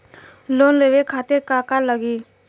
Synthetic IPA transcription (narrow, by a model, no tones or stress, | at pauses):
lonleʋekʰaːt̪eɾkakaləɡiː